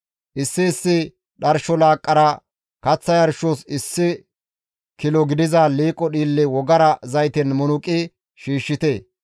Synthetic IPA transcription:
ʔɪsːɪːsːɪ | ɗɐɾʃɔlaːkʼːɐɾɐ | kɐt͡sːɐjɐɾʃosɪsːɪ | kɪlɔɡɪd̪ɪzaliːkʼːɔɗiːlːɪwɔɡɐɾɐzɐjt̪ɛnmʊnʊkʼːɪ | ʃiːʃːɪt̪eː

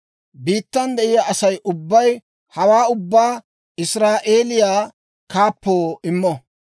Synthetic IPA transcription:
biːt̪ːɐnd̪ɛʔɪjaʔɐsɐjʔʊbːɐj | hɐwaːʊbːaː | ɪsɾaːʔeːlɪjaː | kaːpːoːɪmːɔ

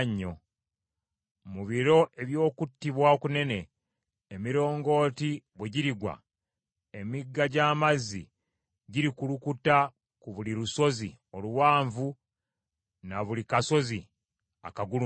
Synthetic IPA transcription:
ɲːo | muβiɾo̞ʔe̞βjo̞ːkutːiβwaokune̞ne̞ː | miɾo̞ːŋɡo̞ːtiβweɟiɾiɡwa̰ | emiɡːaɟaːmazːḭ | ɟiɾikulukuta | kuβuliɾuso̞zi | o̞luwaːɱvu | naβulikaso̞zi | a̰kaɡulu

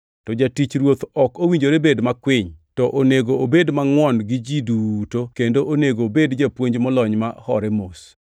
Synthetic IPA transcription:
tɔd͡ʒatit͡ʃɾwot̪ɔkowiɲd͡ʒoɾebedmakwɪɲtɔʔoneɡoobedmaŋwɔnɡɪd͡ʒidutokendoʔoneɡobedd͡ʒapwoɲd͡ʒmɔlɔɲma̰hɔɾɛmos

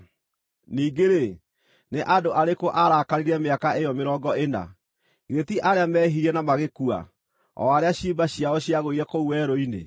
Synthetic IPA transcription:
niːɡeɾe | neʔadoʔaɾekoʔaɾaːkaɾiɾɛmeakaejɔmeɾɔːɡɔena̰ | iɣetiʔaɾeamɛːɦiɾɛnamaɣekua̰ | ɔ̰aɾeaɕiːbaɕiaɔɕiaɣoiɾɛkouwɛɾoinḛ

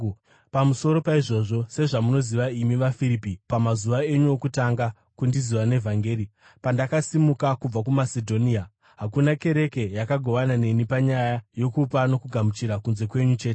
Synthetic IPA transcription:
pamuso̞ɾo̞paiʐo̞ʐo̞se̞ʐamuno̞ziʋaimiʋafiɾipipamazuʋaeɲuokutaŋɡa | kundiziʋane̞vʱaŋɡe̞ːɾi | pandakasimukakub͡vakumasedʱo̞nia | ɦakunake̞ɾe̞ke̞jakaɡʱo̞ʋanane̞nipaɲajajo̞kupano̞kuɡʱamut͡ʃiɾakunze̞kwe̞ɲut͡ʃe̞ːte

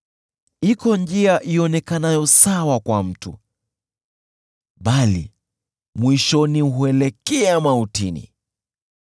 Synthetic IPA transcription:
ikɔnd͡ʒiaʔiɔnɛkanajɔsawakwam̩tṵ | ɓalḭ | mwiʃɔniɦuɛlɛkɛamautinḭ

